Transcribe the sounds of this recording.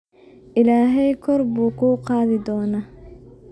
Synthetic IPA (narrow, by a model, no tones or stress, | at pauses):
ʔɪlaːɦɛjkʰɔrbuːkʰuːqɑːðɪd̪ɔːnaː